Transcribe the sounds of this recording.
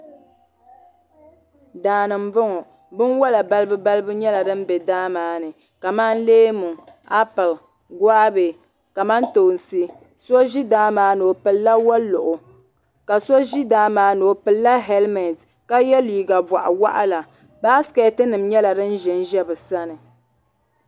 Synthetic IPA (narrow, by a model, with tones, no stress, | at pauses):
daː˨nɨ˨m˦vʊ˦ŋɔ˨ | bɨ˦nwa˦la˨ba˦lɨ˦bɨ˦ba˦lɨ˦bɨ˦ɲɛ˦la˨dɨ˦m̩˦bɛ˨daː˦maː˨˦nɨ˨ | ka˨maː˦n˦leː˦mu˨ | a˦pɨ˨l | ɡwa˦be˨ | ka˨ma˦nto˨n˨sɨ˦ | sɔ˦ʒi˦daː˦maː˨˦no˨pɨ˨lːa˦wa˦lʊ˨ʔʊ˨ | ka˨so˦ʒi˦daː˦maː˦no˨pɨ˨lːa˦ɦɛ˦lmɛ˨nd | ka˦jɛ˦liː˨ɡa˨ba˨ʔa̰˨wa˦ʔa˦la˨ | baː˦skɛ˨˦tɨ˦nɨ˨mɲɛ˦la˨dɨ˦n̩˦ʒɛ˨˦n˦ʒɛ˦bɨ˨sa˦nɨ˨